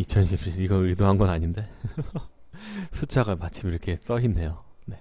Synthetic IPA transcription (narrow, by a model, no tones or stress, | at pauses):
it͡ɕʰʌnɕʰip̚ɕ͈ʰiiɡʌɯɭdoɦanɡʌnaɲinde̞ | sʰut͡ɕʰaɡamat͡ɕʰimiɾʌkʰe̞s͈ʌɦinːe̞jo | ne̞